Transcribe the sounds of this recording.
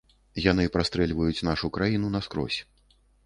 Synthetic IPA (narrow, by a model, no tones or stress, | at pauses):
janɨpɾast̪ɾɛlʲvɐjut͡sʲn̪aʂukɾajinunɐskɾɔ̰sʲ